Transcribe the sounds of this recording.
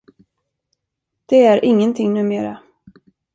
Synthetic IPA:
d̪̥ɛæɾʔɪŋːənt̪ʰɪŋnʉ̟ːmeːɾa̰

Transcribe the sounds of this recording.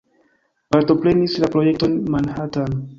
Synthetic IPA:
paɾt̪oplenislapɾojɛk̚tonmanhatan

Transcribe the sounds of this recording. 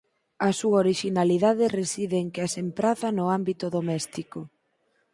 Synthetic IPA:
ɐsuaoɾiʃinaliðaðɪresiðeŋkeasempɾaθɐnʊambit̪ʊðomɛst̪ikʊ

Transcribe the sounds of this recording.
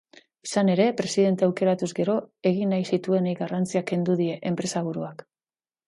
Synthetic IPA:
isane̞ɾe̞pɾe̞siðe̞nt̪eawke̞ɾat̪uzɡe̞ɾo̞e̞ɣ̞inːajsit̪ue̞nejɣarant͡siake̞nd̪uð̞ie̞ʔempɾe̞saβ̞uɾuak

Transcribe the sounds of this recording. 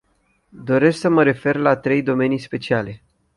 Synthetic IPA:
d̪o̞ɾe̞sksəməɾe̞fe̞rlat̪ɾe̞jd̪o̞me̞nijspe̞t͡ʃiale̞

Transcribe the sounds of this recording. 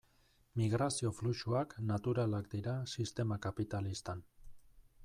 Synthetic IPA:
miɣ̞ɾasio̞fluʃuaknat̪uɾalakd̪iɾasist̪e̞makapit̪alist̪an

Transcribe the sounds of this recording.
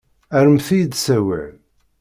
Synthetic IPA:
æɾəmθijəd̪sæwḭʕ

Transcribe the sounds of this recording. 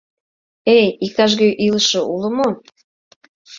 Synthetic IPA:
ejik̚t̪ɑʃ̬ɣøʔiləʃoʔulə̆mo

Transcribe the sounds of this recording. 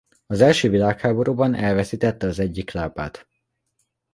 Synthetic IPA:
ɒzɛlʃøːvilaːkhaːbo̞ɾuːbɒnɛlvɛsiːt̪ɛt̪ːɛɒzɛɟːiklaːba̰ːt̪

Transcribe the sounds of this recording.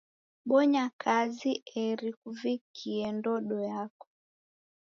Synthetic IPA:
ɓɔɲakʰaziʔɛɾikuvikʰiɛndɔɗɔjakɔ̥

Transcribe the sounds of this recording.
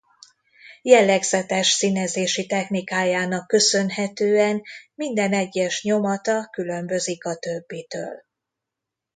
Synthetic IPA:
jɛlːɛɡz̥ɛt̪ɛʃsinɛzeːʃit̪ɛxnikaːjaːnɒkːø̞sø̞nɦɛt̪øːɛnmind̪ɛnɛɟːɛʃɲo̞mɒt̪ɒkylø̞mbø̞zikɒt̪ø̞bːit̪ø̰ːl

